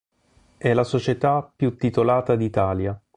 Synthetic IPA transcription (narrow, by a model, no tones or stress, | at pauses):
ɛlasot͡ʃet̪apːjut̪ːit̪olaːt̪ad̪it̪aːlja